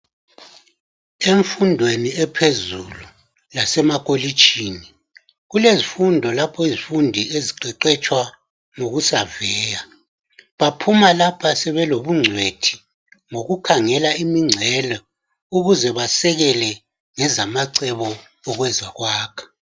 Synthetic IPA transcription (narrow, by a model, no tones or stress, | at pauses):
eɱfundʱweniɛpʰezulu | lasɛmakʼoli̥t͡ʃʰʼiːni | ɣulezifundʱɔlapʰɔizifundʱieziǀɛǀɛt͡ʃʼwa | ŋoɣusavɛːja | βapʰumalapʰasɛβɛloβuŋ͡ǀʱwetʰi̥ | ŋoɣukʰaŋɛlaimiŋ͡ǀʱɛlɔ | uɣuzɛβasɛɣɛlɛ | ŋɛzamaǀɛβɔ | ɔɣwɛzaɣwaːkʰḁ